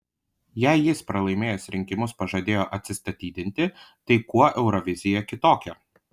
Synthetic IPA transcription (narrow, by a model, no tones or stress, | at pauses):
jæɪjɪspɾɐlˠɐɪmʲeːjosɾʲɪŋʲkʲɪmʊspɐʒɐd̪ʲeːjoːʔɐt̪ʲsʲɪst̪ɐt̪ʲiːd̪ʲɪnʲt̪ʲɪt̪ɐɪkuɔʔɛʊɾɔʋʲɪzʲɪjɛkʲɪt̪oːkʲɛ